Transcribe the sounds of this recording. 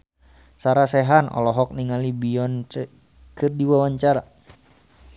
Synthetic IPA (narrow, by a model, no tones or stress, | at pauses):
saɾasɛɦanɔ̰lɔɦɔk̚niŋalibiɔnt͡ʃ | kɨrdiwawaɲt͡ʃaɾa